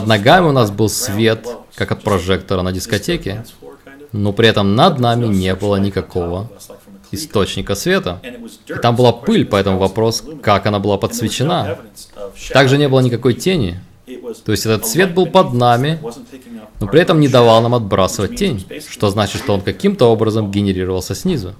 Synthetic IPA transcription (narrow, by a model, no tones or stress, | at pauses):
d̪nɐɡamʲɪʊnasbɨlˠsvʲet̪kakɐt̪̚pɾɐʐɛkt̪əɾənədʲɪskɐtʲekʲɪ | no̞pɾʲɪɛt̪əmnɐd̪namʲɪnʲe̞bɨlˠənʲɪkɐko̞və | ɪst̪o̞t͡ɕnʲɪkəsvʲe̞t̪əɪt̪ambɨlˠapɨlʲpɐɛt̪əmʊvɐpɾo̞skakɐnabɨlˠapət̪svʲɪt͡ɕːɪna | t̪aɡʐɨnʲe̞bɨlˠənʲɪkɐko̞jtʲenʲɪ | t̪o̞ɪsʲtʲɛt̪ət̪svʲe̞t̪̚bɨlˠpɐd̪namʲɪ | no̞pɾʲɪɛt̪əmnʲɪd̪ɐvalˠnamɐd̪̚bɾʔasɨvət̚ʲtʲːenʲʂt̪o̞znat͡ɕɪt̪ʂt̪oonkɐkʲimt̪əo̞bɾəzəmɡʲɪnʲɪɾʲiɾəvəlˠsʲəsʲnʲizʊ